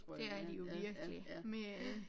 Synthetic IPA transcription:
æɐæɐdijo̝ʋiɐɡ̥əlḭme

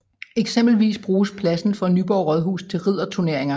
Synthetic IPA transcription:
eɡ̥sem̰b̥l̩ʋḭːsb̥ʁuːspʰlæsn̩fɒ̽nyːb̥ɒʊ̰ʁɒðˠɦṵːst͡sʰe̝lʁið̞̰ˠɐt͡sʰuɐne̝ɐe̝ŋɐ

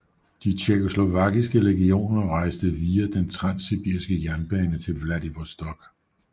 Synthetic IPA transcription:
d̥it͡ɕʰeko̝slo̝ʋɑ̈ɡ̥isɡ̥əʁeɡ̥io̝̰ːnɐʁɑ̈ɪsd̥əʋiːæd̥ent͡sʰʁɑ̈nsib̥ḭɐ̰isɡ̥əjæɐnb̥ɛːnət͡sʰe̝lʋlæd̥iʋɒsd̥ɒɡ̥

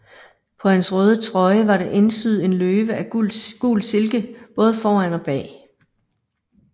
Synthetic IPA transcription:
pʰɒ̽hænsʁœːð̞ˠət͡sʰʁɒ̽ɪəʋɑ̈ɾeʔe̝nsyð̞̩ˠe̝nløːʋəæɡ̥ṵːlse̝lɡ̥əb̥ɔ̽ːð̞ˠəfɒːænɒ̽b̥ɛ̰ː

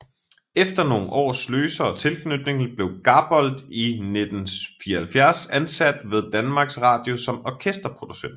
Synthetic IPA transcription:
efd̥ɐno̝ːŋ̩ʔɒ̰ːsløːsɐɒ̽t͡sʰe̝lkʰnød̥ne̝ŋl̩b̥le̝ʊɡ̥ɑ̈ːb̥ɒ̽l̰d̥ined̥n̩fiːɐhælfjæɐsænsæd̥ʋe̝ðˠd̥ænmɑ̈ːɡ̥sʁɑ̈ːd̥jo̝sɒ̽mɒkʰesd̥ɐpʰʁo̝d̥usen̰d̥

